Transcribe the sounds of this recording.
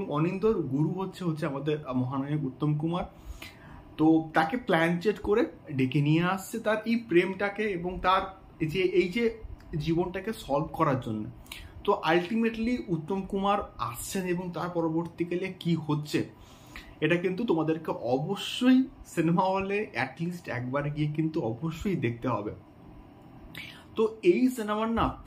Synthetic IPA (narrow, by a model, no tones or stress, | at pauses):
beoŋɔnind̪oɾɡuɾuɦotːɕʰeɦotːɕʰeamad̪eɾmɔɦanaokut̪ːomkumaɾ | t̪ot̪akeplɛnt͡ɕeʈkoɾeɖekenijeast͡ɕʰet̪aɾejpɾemʈakeeboŋt̪aɾ | d͡ʑeʔejd͡ʑed͡ʑibonʈakesɔlbkɔɾaɾd͡ʑonːot̪oʔalʈimeʈliut̪ːomkumaɾast͡ɕʰeneboŋt̪aɾpɔɾoboɾt̪ikalekiɦotːɕʰe | eʈakint̪ut̪omad̪eɾkeʔɔboʃːojsinemaɦoleʔɛʈlisʈɛ̰k̚baɾɡiek̬int̪uɔboʃːojd̪ek̚ʰt̪eɦɔ̰be | t̪oejsinemaɾna